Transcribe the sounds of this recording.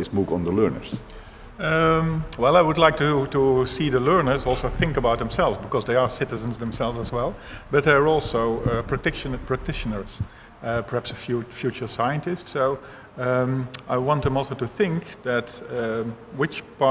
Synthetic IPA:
ɪsmukə̰̃ndəlɜːɹnə̰ɹs | wɛlˠaɪwʊdlaɪk̚tutusiːðəlɜ˞nə˞zɔlˠsoʊθɪ̃ŋkəbaʊt̪̚ðə̃msɛlˠvzbɨkɔzðeɪə˞sɪɾɨzə̃nzðə̃msɛlˠvzəzwɛlˠ | bʌt̚ðeə˞ɔlˠsoʊpʰɹ̥ɨk̚tɪʃnpʰɹæk̚tʰɪʃənə˞z̥ | pʰə˞hæpsəfjfjʉt͡ʃə˞saɪə̃ntɪstsoʊ | aɪwɑ̃ntðə̃mɔlˠsoʊtuθɪ̃ŋkðɨt | wɪt͡ʃpɑ

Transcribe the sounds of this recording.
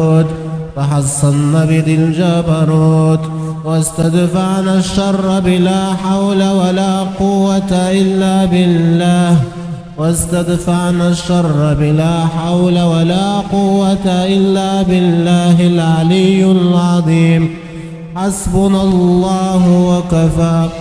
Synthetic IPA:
t̪ | fɑħɑsˤːɑnːabɪðɪld͡ʒabɑɾˤuːt̪ | wast̪ad̪faʕnaʃːɑrˤːbɪlaːħawlawalaːqʊwːat̪aʔɪlːaːbɪlːaːh | wast̪ad̪faʕnaʃːɑrˤːbɪlaːħawlawalaːqʊwːat̪aʔɪlːaːbɪlːaːɦɪlʕalɪjːalʕɑðˤiːm | ħasbʊnallˤːɑːɦʊwakafaː

